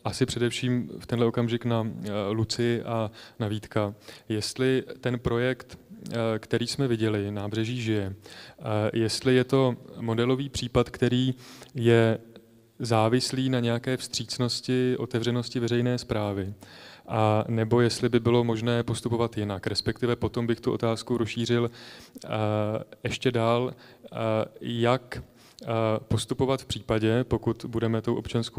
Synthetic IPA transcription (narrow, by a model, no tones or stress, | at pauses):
ʔasɪpr̥ɛdɛfʃiːmft̪ɛnɦlɛʔo̞kamʒɪknalut͡sɪɪʔanaviːt̪kajɛst̪lɪt̪ɛnpɾo̞jɛkt̪kt̪ɛɾiːsmɛvɪɟɛlɪnaːbr̝ɛʒiːʒɪjɛ | jɛst̪lɪjɛt̪o̞mo̞dɛlo̞viːpr̝̥iːpat̪kt̪ɛɾiːjɛ | zaːvɪsliːnaɲɛjakɛːfst̪r̝̥iːt͡sno̞scɪʔo̞t̪ɛvrɛno̞scɪvɛrɛjnɛːspɾaːvɪʔanɛbo̞jɛst̪lɪbɪbɪlo̞mo̞ʒnɛːpo̞st̪upo̞vat̪jɪnakɾɛspɛk̚t̪ɪvɛpo̞t̪o̞mbɪxt̪uʔo̞̰t̪aːskuɾosʃiːr̝ɪl | ɛʃcɛdaːl | jak | po̞st̪upo̞vat̪fpr̝̥iːpaɟɛpo̞kut̪budɛmɛt̪o̞wʔo̞pt͡ʃansko